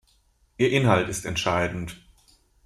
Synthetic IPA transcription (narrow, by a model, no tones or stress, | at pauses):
ʔiːɐʔɪnɦaltɪstɛ̰ntʃaɪdn̩t